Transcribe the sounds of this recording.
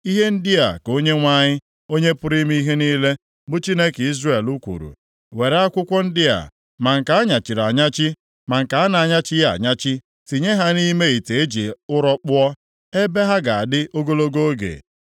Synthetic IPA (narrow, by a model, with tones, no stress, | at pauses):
i˦ɦe˦n̩˦dɪ˦a̰˨ko˦ɲe˦ŋʷa˦ɲɪ˦ | o˦ɲe˦pʊ˦ɾi˦m˦i˦ɦe˦ni˦le˦ | bʊ˦t͡ʃi˦ne˦ki˦zre˦˨e˨lu˦kʷṵ˨ɾṵ˨ | we˨ɾa˦kʷʊ˦kʷɔ˦n̩˦dɪ˦a̰˨ | ma˨ŋ̩˨ka˨˦a˦ɲa˨t͡ʃi˨ɾa˨ɲa˦t͡ʃɪ˦ | ma˨ŋ̩˨ka˨a˦na˨a˨ɲa˦t͡ʃɪ˦ja̰˨ɲa˦t͡ʃɪ˦ | ti˨ɲe˦ɦa˦ni˦me˦i˨te˨e˦d͡ʒi˨ʊ˦ɾɔ˦k͡pʊ˦ɔ˦ | e˦be˦ɦa˦ɡa˨a˨dɪ˦ʔo˦ɡo˦lo˦ɡo˦ɡḛ˨